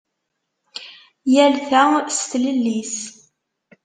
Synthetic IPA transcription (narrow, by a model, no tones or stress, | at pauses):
jælθæst̪ləlːis